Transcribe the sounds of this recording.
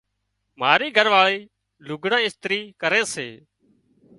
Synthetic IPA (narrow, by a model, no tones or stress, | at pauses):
m̤aːɾiːɡʱəɾʋaːɭeː | lʊɡɽãːɪst̪ɾiːkəɾeːsḛː